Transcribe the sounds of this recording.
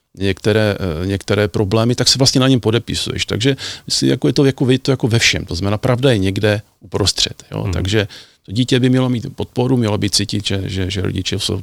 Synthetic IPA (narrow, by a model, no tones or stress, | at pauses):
ɲɛkt̪ɛɾɛːɲɛkt̪ɛɾɛːpɾo̞blɛːmɪt̪aksɛvlast̪ɲɛnaɲɛmpo̞dɛpɪsṵjɛ̰ʃt̪a̰ɡʒɛmɪslḭmja̰kojɛt̪ojakovɛt̪ojakovɛfʃɛ̰mt̪oznamɛnaːpɾʔavdajɛɲɛɡdɛ | upɾost̪r̝̥ɛ̰t̪jo̰t̪a̰ɡʒɛt̪o̞ɟiːcɛbɪmɲɛlo̞miːt̪po̞t̪̚po̞ɾumɲɛlobiːt̪̚t͡siːcɪt̪ʒɛʒɛʒɛɾo̰ɟɪ̰t͡ʃɛso̰w